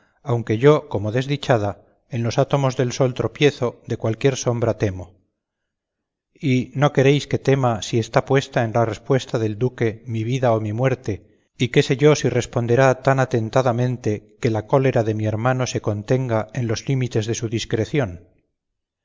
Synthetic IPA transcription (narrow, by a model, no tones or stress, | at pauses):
awŋke̞ʝo̞komo̞ðe̞zðit͡ʃaða | enlo̞sat̪o̞mo̞zðe̞lso̞lt̪ɾo̞pje̞θo̞d̪e̞kwalkje̞ɾso̞mbɾat̪e̞mo̞ | ino̞ke̞ɾe̞jske̞t̪e̞masie̞st̪apwe̞st̪ae̞nlarespwe̞st̪aðe̞ld̪uke̞miβiðaomimwe̞ɾt̪e̞ | ike̞se̞ʝo̞sire̞spo̞nd̪e̞ɾat̪anat̪e̞nt̪aðamẽ̞nt̪e̞ke̞lako̞le̞ɾaðe̞mie̞ɾmano̞se̞ko̞nt̪e̞ŋɡae̞nlo̞zlimit̪e̞zðe̞suðiskɾe̞θjo̞n